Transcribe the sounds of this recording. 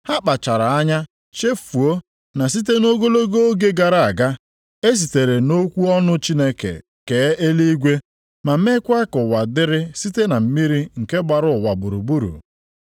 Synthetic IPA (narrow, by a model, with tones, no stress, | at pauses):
ha˦k͡pa˨t͡ʃa˨ɾa˨a˦ɲa˦ | ʃe˦fu˨o˦ | na˨s̬i˦t̬e˦no˦ɡo˦lo˦ɡo˦o˦ɡe˦ɡa˨ɾa˨a˨ɡa˦ | e˦s̬i˨te˨ɾe˨no˦kʷu˦ɔ˦nʊ˦t͡ʃi˦ne˦kḛ˨ | ke˨˦e˦li˦ɡʷe˦ | ma˨m̩˦e˦kʷa˦kʊ˨wa˨dɪ˦ɾɪ˦si˦te˦na˨m̩˦mi˦ɾi˦ŋ̩˨ke˦ɡ͡ba˨ɾʊ˨wa˨bʊ˨ɾu˨bu˦ɾṵ˨